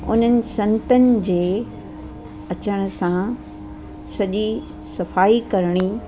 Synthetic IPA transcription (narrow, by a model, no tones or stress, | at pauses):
ʊ̰n̤ənɪ̆sɐ̃nt̪ənɪ̆d͡ʑeː | ɐt͡ɕəɽ̃ʊ̆sã | sɐʄi | sɐfaːikɐɾɽ̃i